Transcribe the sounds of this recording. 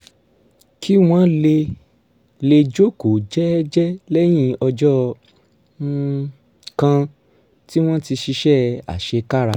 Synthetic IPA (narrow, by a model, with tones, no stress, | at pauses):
kʰi˦w̃ɔ̃˦le˧ | le˧d͡ʒo˦ko˨d͡ʒɛ˦d͡ʒɛ˦lɛ˦j̃ĩ˦ɔ˧d͡ʒɔ˦ | kã˧ | ti˦w̃ɔ̃˦ti˧ʃi˧ʃɛ˦a̰˨ʃe˧ka˦ɾa˧˨